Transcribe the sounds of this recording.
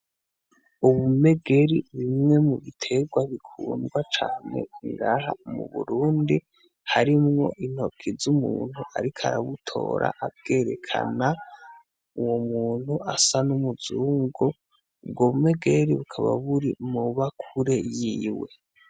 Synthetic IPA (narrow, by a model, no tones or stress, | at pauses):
uβume̞ɡe̞ɾiβimŋe̞muβitʰe̞ɡwaβikʰuːnɡwat͡ʃaːne̞̰iŋɡaːɦamṵβṵɾuːndi | haɾimŋo̞̰ʔin̥ho̞kʰizumuːn̥huʔa̰ɾikʰaɾaβutʰo̞̰ːɾʔa̰ʔabɡe̞ːɾe̞kʰa̰na | uwomuːn̥huʔasanumuzuːŋɡo | b̚ɡoβume̞ɡeɾiβukʰaβa̰βuɾimuβakʰuɾe̞jiwe̞̰